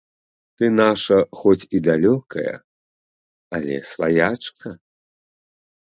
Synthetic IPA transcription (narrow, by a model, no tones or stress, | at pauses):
t̪ɨnaʂɐxɔt͡sʲid̪alʲɔkʰɐjɐ̰ | alʲɛ̰svajat͡ʂkʰɐ